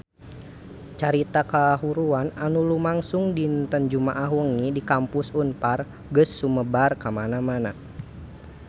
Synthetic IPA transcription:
t͡ʃaɾit̪akaɦuɾuananulumaŋsuŋdint̪ənd͡ʒumaʔaɦwəŋidikampusunpar | ɡəsːuməbarkamanamana

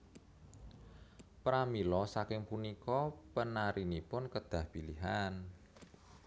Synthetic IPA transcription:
pɾamilɔsakɪŋpunikɔpənaɾinipʊnkəd̪̥ä̤hpiliɦan

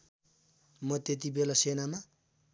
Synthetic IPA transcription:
mʌt̪et̪ibelasenama

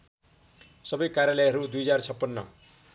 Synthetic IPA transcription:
sʌbʌjkaɾjalʌjɦʌɾud̪ujd͡zart͡sʰʌpːʌnːʌ̰

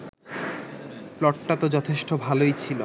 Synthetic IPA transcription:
plɔʈʈat̪od͡ʑɔt̪ʰeʃʈobʱalojt͡ɕʰilo

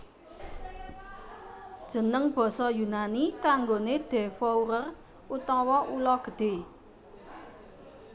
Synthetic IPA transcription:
d̥ʒ̥ə̤nəŋb̥ɔ̤sɔjunanikaŋɡoned̪̥ɛ̤wɔuɾər | ut̪ɔwɔʔulɔɡ̥ə̤d̪̥e̤

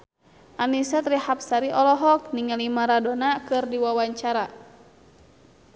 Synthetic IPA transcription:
ʔanisat̪ɾihap̚saɾiʔɔlɔɦɔk̚niŋalimaɾadonakɨrdiwawaɲt͡ʃaɾa

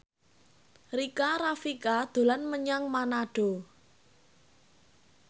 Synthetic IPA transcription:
rikaɾafikad̪̥o̤lanməɲaŋmanaɖ̥o̤

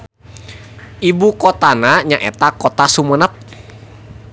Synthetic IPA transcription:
ibukɔt̪anaɲaʔḛt̪akɔt̪asumənəp̚

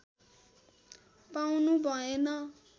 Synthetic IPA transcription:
pawnubʱʌenʌ

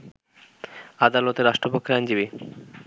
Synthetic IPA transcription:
ad̪alot̪eɾaʃʈɾopokʰːeɾajɲd͡ʑibi

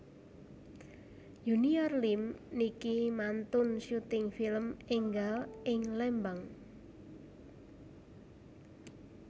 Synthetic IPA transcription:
juniarlimnikimant̪ʊnʃut̪ɪŋfiləmɪŋɡalɪŋlɛmbaŋ

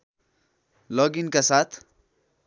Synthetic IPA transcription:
lɔːɡinkasaːt̪ʰ

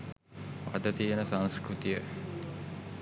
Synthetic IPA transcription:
ʋad̪ət̪ijənəsaŋskɾut̪ijə

